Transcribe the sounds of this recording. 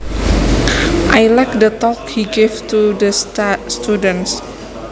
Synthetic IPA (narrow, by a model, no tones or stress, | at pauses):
ʔajlajk̚dət̪ɔkhiɡevt̪udəstst̪udə̃ns